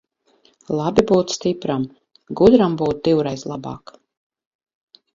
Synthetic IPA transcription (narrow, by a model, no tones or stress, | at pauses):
lˠabibuːt̪st̪ipɾam | ɡud̪ɾambuːt̪̚d̪iwɾɛjzlˠabɑ̰ːk